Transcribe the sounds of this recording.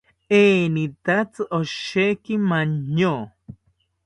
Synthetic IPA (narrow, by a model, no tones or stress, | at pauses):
enit̪at͡sɨʔoʃekimaɲːo